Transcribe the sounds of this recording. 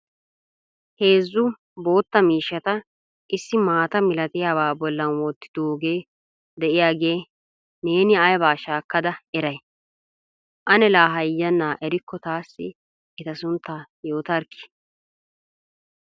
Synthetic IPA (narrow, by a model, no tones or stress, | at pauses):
he̞ːzːʊ | bo̞ːt̪ːɐmiːʃːɐt̪ɐ | ʔɪsːɪmaːt̪ɐmɪlɐt̪ɪjaːbaːbɔlːɐnwɔːt̪ːɪ̥d̪̥oːɡe̞ː | d̪ɛʔɪjaːɡe̞ː | ne̞ːnɪɐjbaːʃaːkːɐd̪ɐɛɾɐj | ʔɐnɛlaːɦɐjːɐnːaːʔɛɾɪkːɔt̪aːsːɪ | ɪt̪ɐsʊnt̪ːajo̞ːt̪ɐɾkːɪ̥